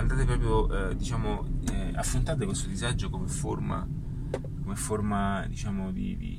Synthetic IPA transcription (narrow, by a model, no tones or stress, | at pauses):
and̪aːt̪epɾɔːpɾjoʔɛd̪it͡ʃaːmoɛa̰fɾont̪aːt̪̬ekwest̪od̪izad͡ʒːokomeforma̰ | komefːormad̪it͡ʃaːmod̪ḭd̪ḭ